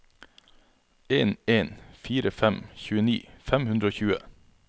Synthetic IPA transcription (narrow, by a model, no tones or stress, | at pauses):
eːneːnfiːɾəfɛmçʉːəniːfɛmhʉnd̪ɾəoːçʉːə̰